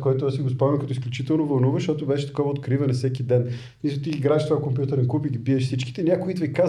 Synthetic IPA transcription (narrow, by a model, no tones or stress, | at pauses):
kɔjt̪ʊasiɡospɔmɛmkɐt̪ɔisklʲut͡ʃit̪ɛlˠnovɐlˠnuvəʃt̪ɔt̪ʊbɛʃɛ̥t̪ɐ̥kɔvəot̪kɾivənɐsɛkʲid̪ɛn | misˠʊt̪iiɡɾaʃt̪vakomp̬ʲjut̪əɾɛnkupiɡʲibiɛʃfsit͡ʃki̥t̪ɛnʲakʊit̪vɛka